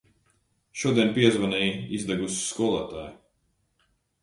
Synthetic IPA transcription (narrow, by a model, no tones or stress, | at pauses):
ʃuɔd̪iɛnpiɛzvanɛjizd̪ɛɡusi̥skuɔlˠaːt̪aːj